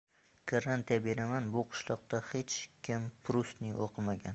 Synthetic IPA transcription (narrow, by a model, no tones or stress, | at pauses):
kʰaɾant̪ijabeɾamanbʊqʰʊ̥ʃlˠɒq̚t̪ahet͡ʃʰkʲʰɪmpʰɾust̪nɪʔoqʰɨmaɡʲa̰n